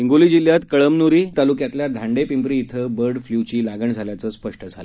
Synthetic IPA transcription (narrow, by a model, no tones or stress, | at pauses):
iŋɡuliːd͡ʑiljat̪kəɭəmnuɾiːt̪alukjat̪ljad̪ʱaɳɖepimpɾiːt̪ʰəbəɾɖfljut͡ɕiːlaɡəɳd͡zʱaljat͡səːspəʂʈəd͡zʱalə